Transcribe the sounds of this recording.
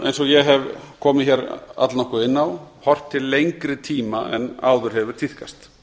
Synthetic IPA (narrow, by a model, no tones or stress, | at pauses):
ḛjnsɔɣjɛɣɦɛvkʰɔːmɪçɛːɾa̰t̪lnɔhkʏɪnːawhɔr̥t̪ʰːɪlːejŋkɾɪt̪ʰiːmaʔɛ̰na̰ːwðʏɾ̥hɛvʏɾ̥t̪ʰiθkast̪